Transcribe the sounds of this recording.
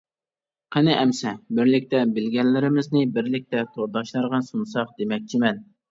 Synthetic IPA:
qʰɛnɪʔɛmsɛbɪɾlɪk̚ʲt̪ɛbɪlɡʲɛlːɪɾɪmɪznɪbɪɾlɪk̚ʲt̪ɛt̪ʰoɾd̪ɑʃlˠɑɾʁɑnsunsɑqd̪emɛk̚ʲt͡ʃʰimɛn

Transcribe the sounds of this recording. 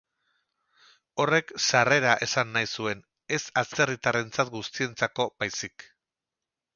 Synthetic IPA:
o̞re̞ksare̞ɾaʔe̞sanːajsue̞n | e̞sast͡se̞rit̪are̞nt͡sat̪ɡust̪ie̞nt͡sako̞bajsik

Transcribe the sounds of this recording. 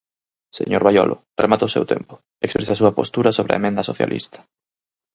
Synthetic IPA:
sḛɲoɾβajɔlʔʊremat̪aʊsḛwt̪ʰḛmpʊ | ekspɾesasuɐpost̪uɾɐsoβ̞ɾeɐ̰emẽnd̪ɐsoθja̰lʔḭst̪ɐ̥

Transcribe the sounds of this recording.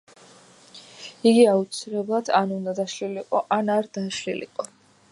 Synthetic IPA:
iɡiaut̪sʰilɛblˠad̪ʰanund̪ad̪aʃliliqʼɔʔanaɾd̪aʃlḭlḭqʼɔ

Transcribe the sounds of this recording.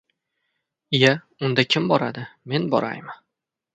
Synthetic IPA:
ɪja | ʊnd̪akʲʰɪmbɒɾa̰d̪ɪme̞nbɒ̰ɾa̰jma

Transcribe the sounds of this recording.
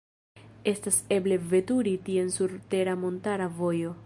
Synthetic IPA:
e̞stase̞ble̞ve̞tuɾitie̞nsuɾte̞ɾamo̞ntaɾavo̞jo̞

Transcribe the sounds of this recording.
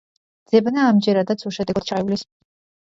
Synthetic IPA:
d̪z̥ɛbnaːmd͡ʒɛɾad̪at̪sʰuʃɛd̪ɛɡad̪̥̚t͡ʃʰaɛvulis

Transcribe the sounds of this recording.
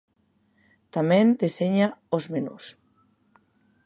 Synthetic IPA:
t̪amɛ̃nd̪eseɲaozmenṵs

